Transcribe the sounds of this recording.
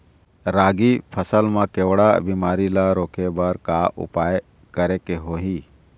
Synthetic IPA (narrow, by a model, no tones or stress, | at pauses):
ɾaːɡipʰəsəlmãkeːwɽabiːmaːɾilaɾoːkebəɾkaʔʊ̰paːj | kəɾekeɦoːɦiː